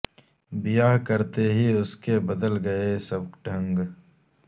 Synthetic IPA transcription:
bɪjaɦkɐɾt̪eɦiʊskebɐd̪əlɡɐesɐb̚ɖʱə̃ŋɡ

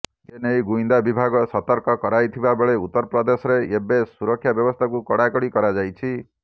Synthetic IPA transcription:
d͡ʒenejɡuind̪abibʱaɡɔsɔt̪ɔɾkɔkɔɾajt̪ʰibabeɭeut̪ːɔɾɔpɾɔd̪esɔɾeebesuɾɔkʰːjabjɔbɔst̪ʰakukɔɽakɔɽikɔɾad͡ʒajt͡ʃʰi

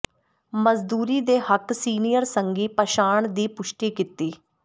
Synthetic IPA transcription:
məzd̪uːɾiːd̪eːhəksiːnijəɾsəŋɡiːpəʃaːɳd̪iːpʊʃʈiːkɪt̪iː

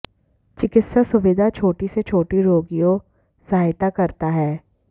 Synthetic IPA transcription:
t͡ʃɪkɪt̪sasʊʋɪd̪ʱat͡ʃʰoːʈiset͡ʃʰoːʈiɾoːɡijo | saɦaːɦɪt̪akɐɾt̪aɦɛː

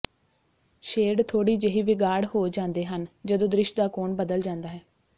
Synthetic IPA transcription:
ʃeːɖt̪ʰoːɽiːd͡ʒeɦiːʋɪɡaːɽhoːd͡ʒãːnd̪eːɦənd͡ʒəd̪õːd̪ɾɪʃd̪aːkoːnbəd̪əld͡ʒãːnd̪aːɦɛː

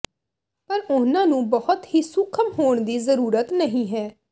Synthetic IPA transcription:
pəɾʊnãːnũːbəhʊt̪hiːsʊkʰəmɦoːɳd̪iːzəɾuːɾət̪nəɦĩːɦɛː

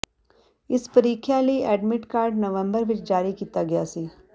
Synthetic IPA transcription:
ɪspɐɾiːkʰjaliɛːɖmɪʈkaːɾɖnɐʋə̃mbəɾʋɪt͡ʃd͡ʒaːɾikiːt̪aɡɐjasiː

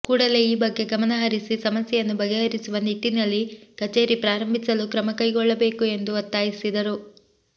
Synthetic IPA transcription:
kuːɽɐle̞iːbɐɡːe̞ɡɐmɐnɐɦɐɾisisɐmɐsjɛjɐnːubɐɡeɦɐɾisuʋɐnit̪ːinɐlːikɐt͡ʃe̞ːɾipɾaːɾɐmbʱisɐlukɾɐmɐkɐjɡɔɭːɐbe̞ːkue̞nd̪uɐt̪ːaːjisid̪ɐɾu

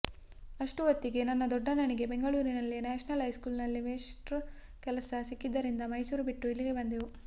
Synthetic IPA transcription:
ɐʂʈuʋɐt̪ːiɡe̞nɐnːɐd̪ɔɖːɐnɐɳiɡe̞be̞ŋɡɐɭuːɾinɐlːinaːʂɐnɐlɦɐjskuːlnɐlːimeːʂʈɾ | kɛlɐsɐsikːid̪ːɐɾind̪ɐmɐjsuːɾubiʈːuilːiɡe̞bɐnd̪iʋu

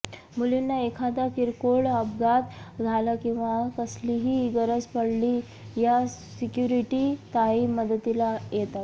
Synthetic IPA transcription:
mulinːaekʰad̪akiɾkoɭəbɡat̪d͡zʱalakĩw̃ʋakəsliɦiɡəɾət͡spəɽli | jasikjuɾiʈit̪aɦiməd̪ət̪ilajet̪at̪

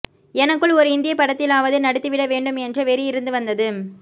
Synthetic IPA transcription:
ɛnɐkːɯɭɔɾɯɪnd̪ɪjɐpɐɽɐt̪ːɪlaːʋɐðɯnɐɽɯt̪ːɯʋɪɽɐʋeːɳɖɯmɛndrɯʋɛɾɪjɪɾɯnd̪ɯʋɐnd̪ɐðɯ

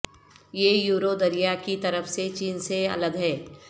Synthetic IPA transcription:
jejuːɾod̪ɐɾijakit̪ɐɾəfset͡ʃiːnseɐ̰ləd̪ɦɛː

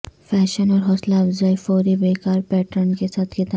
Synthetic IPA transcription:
fɛɕənɔɾɦɔslaːbd͡zajfɔɾibekaɾpɛʈəɳkesat̪ɡet̪a

